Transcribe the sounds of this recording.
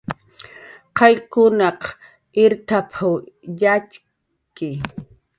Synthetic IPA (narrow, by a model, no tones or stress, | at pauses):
qɑjkʊnɑq | ɪɾt̪apʰawjat͡ʃ | kɪ